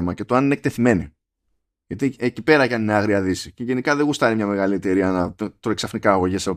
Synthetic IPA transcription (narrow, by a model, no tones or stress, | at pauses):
mɐcet̪oɐninek̚t̪e̞θime̞ni | ʝɐt̪iecipe̞ɾɐcɐnineɐɣɾiɐðisiceʝe̞nikɐðe̞ɣust̪ɐɾimɲɐme̞ɣɐlie̞t̪e̞ɾiɐnɐt̪ɾoeksɐfnikɐːɣo̞ʝeseo